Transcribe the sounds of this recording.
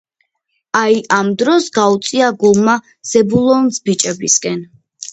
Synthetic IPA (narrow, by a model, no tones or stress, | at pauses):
aiʔamd̪ɾɔsɡaut̪sʼiaɡulˠma | z̥ɛbulˠɔnzbit͡ʃʼɛbiskʼɛn